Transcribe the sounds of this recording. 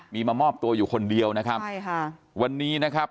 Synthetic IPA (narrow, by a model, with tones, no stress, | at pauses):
miː˧maː˧mɔː˥˩p̚t̪u˧ɐjuː˨˩kʰo˧ndi˧əwna˦˥kʰa˦˥p | wa˧nːiː˦˥na˦˥kʰa˦˥p̚